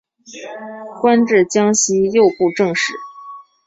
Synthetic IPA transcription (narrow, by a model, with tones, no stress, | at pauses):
kwa˥nʈ͡ʂɻ̩˥˩t͡ɕjɑ˥ŋɕi˥jo˥˧ʊpu˥˧ʈ͡ʂɤ˥˧ŋʂɻ̩˥˩